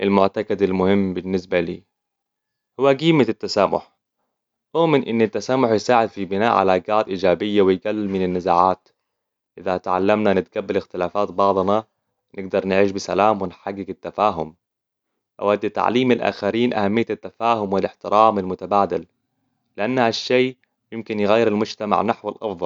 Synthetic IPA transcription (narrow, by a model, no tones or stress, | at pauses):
ʔɪlmʊʕt̪akad̪almʊhɪmːbɪnːɪsbalḭː | hʊwːaɡiːmaat̪ːasaːmʊ̰ħ | ʔʊːmɪnʔɪnːat̪ːasaːmʊħjsaːʕɪd̪fibɪna̰ːʔʕa̰laːɡaːd̪ʔiːd͡ʒaːbɪjːawɪjɡalːɪmɪnɪnːazaːʕaːt̪ | ʔɪðat̪ʕa̰lːamnanɪt̪ɡabːalɪxt̪ɪlaːfaːt̪bɑʕd̪ˤnɑ | nɪɡ̚d̪ɑɾˤnɪʕiːʃbɪsa̰laːmwɪnħaɡːɪɡɪt̪ːafaːɦʊm | ʔa̰wad̪ːit̪ːa̰ʕliːmalʔa̰ːxaɾiːnʔa̰hamːɪjːaat̪ːafaːhʊmwɪlɪħt̪ɪɾʔaːmalmʊt̪abaːd̪a̰l | lɪʔanːhaʃːeː | jɪmkɪnjɪɣajːɪɾalmʊd͡ʒt̪ama̰ʕnaħwalʔɑ̰fðˤɑl